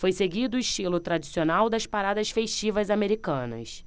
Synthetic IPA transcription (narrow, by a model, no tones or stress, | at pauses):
fojseɡid̪ʊiʃt͡ʃilʊt̪ɾad͡ʒisionawd̪ɐspaɾad̪ɐsfeʃt͡ʃivɐzameɾikɐ̃nɐ̰s